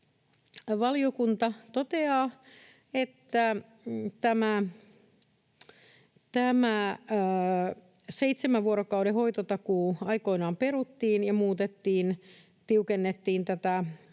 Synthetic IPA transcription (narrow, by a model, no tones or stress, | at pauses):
ʋɑliokunt̪ɑt̪ot̪eɑː | et̪ːæ | t̪æmæ | t̪æmæ | seit̪semæʋʋuoɾokɑwɾehoit̪ot̪ɑkuɑikoinɑːmpeɾut̪ːiːnjɑmuːt̪et̪ːiːn | t̪iukenːet̪ːiːnt̪æt̪æ